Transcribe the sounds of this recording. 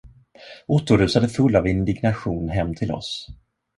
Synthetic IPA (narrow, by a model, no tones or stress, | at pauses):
ʊt̪ːʊɾʉ̟ːsad̪əfɵlːavɪnd̪ɪɡnaɧuːnɦɛmːt̪ʰɪlɔ̰s